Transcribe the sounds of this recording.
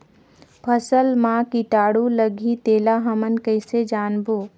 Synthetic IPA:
pʰəsəlmãkiʈ̪aːɽuləɡʱit̪eːlaɦəmənkəɪsed͡ʒaːnboː

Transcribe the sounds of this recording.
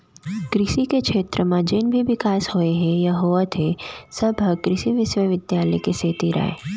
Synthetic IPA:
kɾɪsikekʃʰeːt̪ɾəmãd͡ʒɪnbʱiʋɪkaːshoːeɦɛ̃jɐɦoːʋat̪ʰesɐbʱkɾɪsiʋɪʃwəʋɪd̪jaːləekeseːt̪iɾa̰ːḛ

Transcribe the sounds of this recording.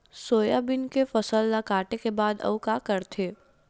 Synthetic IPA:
soːjabɪnkefɐsəlːakaːʈekebaːd̪ɐ̰ʋkakɐɾt̪ʰeː

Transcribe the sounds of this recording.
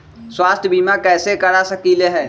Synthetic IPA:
swaːst̪ʰəbiːmakɛːsekɐɽasɐkileɦɛː

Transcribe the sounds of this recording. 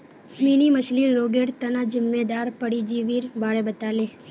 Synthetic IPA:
miniməsliɾːoːɡeːɽt̪ənad͡ʒɪmːed̪aːɾpəɽid͡ʒiʋiːɾbʱaːɽebət̪aːleː

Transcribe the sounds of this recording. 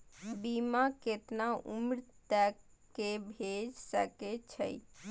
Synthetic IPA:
bimaket̪naumɾt̪ɛkː | ebʱed͡ʒsə̰ket͡ʃʰə̰j

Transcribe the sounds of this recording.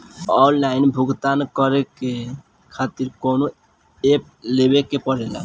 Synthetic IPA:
ɔnlainbʱuɡt̪ankɔɾeke | kʰat̪iɾkono | ep̚ | lebekepɔɾela̰

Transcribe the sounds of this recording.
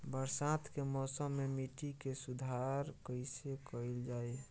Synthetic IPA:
bəɾsãt̪kemɔːsəmːemiʈikesʊd̪ʱaɾkəɪsekəɪld͡ʒaːe

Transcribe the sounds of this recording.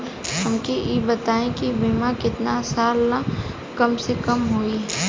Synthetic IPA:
ɾɦɐmkijebɐt̪aːẽkibimakɪt̪nasaːlːa | kɐmsekɐmɦoːiɦ

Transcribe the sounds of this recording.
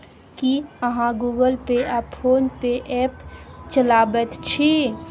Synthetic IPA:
kiəɦãɡuːɡəlpeʔapfʰoːnpeʔɛpt͡ʃəlaːbət̪t͡ʃʰi

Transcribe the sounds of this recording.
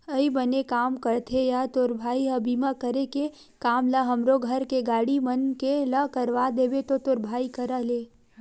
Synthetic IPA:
əibənekaːmkəɾt̪ʰejat̪oɾbʱaːiɦəbiːmakəɾeke | kaːmləɦɐmɾoɡʱəɾkeɡaːɽimənkeləkəɾʋad̪eːbet̪ot̪oɾbʱaːikəɾəleː

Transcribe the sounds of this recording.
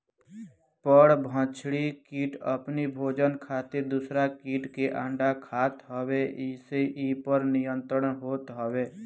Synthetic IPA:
pəɽbʱə̃t͡ʃɽikiːʈə̰pnibʱoːd͡ʒənkʰaːt̪ɪɾd̪ʊsɾakiːʈkeʔãːɳɖakʰaːt̪ɦəweʔɪseʔiːpəɾnɪjə̃nt̪ɾəɳɦoːt̪ɦəʋeː

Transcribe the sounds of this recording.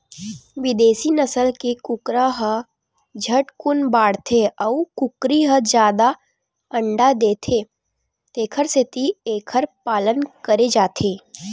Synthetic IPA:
ʋɪd̪eːsinɐsəlkekʊkɾaɦə | d͡ʒʱəʈkʊnbaːɽt̪ʰeɔukʊkɾiɦəd͡ʒjaːd̪a | ə̃ɳɖad̪eːt̪ʰeː | t̪eːkʰəɾset̪ieːkʰəɾpaːlənkəɾed͡ʒaːt̪ʰeː

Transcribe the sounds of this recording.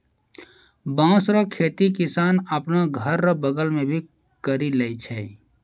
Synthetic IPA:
bãːsɾakʰeːt̪ikɪsaːnəpnaɡʱəɾːbəɡəlmẽbʱi | kəɾilɛit͡ʃʰɛ

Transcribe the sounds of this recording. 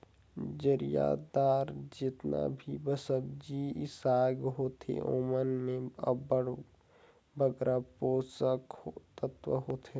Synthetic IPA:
d͡ʒəɾija̰ːd̪aːɾd͡ʒɪt̪na̰bʱibəsəbd͡ʒiɪsaːɡɦoːt̪ʰḛʔoːmənmẽbəɽ | bəɡɾapoːsəkot̪ət̪ʋə̰ɦoːt̪ʰe

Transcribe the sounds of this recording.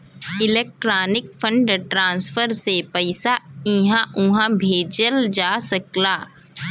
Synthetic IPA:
ɪleːk̚ʈɾaːnɪkfʰə̃ɳɖʈɾãːnsfʰəɾsepɐɪsaiɦãʔʊɦãbʱeːd͡ʒəld͡ʒaːsɐklaː

